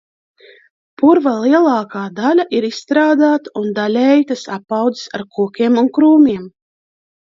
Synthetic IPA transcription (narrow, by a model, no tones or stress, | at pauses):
puɾvalˠiɛlˠaːkaːd̪alʲaʔiɾisːt̪ɾaːd̪aːt̪aund̪alʲɛjt̪asapːawd̪zi̥sa̰ɾkʰuɔkʲiɛmunkɾuːmʲiɛm